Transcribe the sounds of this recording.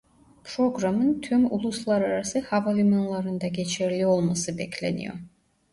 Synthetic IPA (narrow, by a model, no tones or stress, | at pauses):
pɾoɡɾamɯnt̪ʰymulˠuslˠɑɾaɾasɯhavalʲiminlˠɑɾɯnd̪ɑɡʲet͡ʃʰeɾlʲiolˠmɑsɯbekʲlʲḛnḭjo̰